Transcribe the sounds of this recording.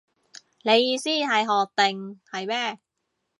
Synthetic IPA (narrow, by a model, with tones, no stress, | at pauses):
le˨˧jiː˧siː˥˩ha˨˩˦jɦɔː˨˩t̪e˧˩ŋha˨˩jbɛː˥˩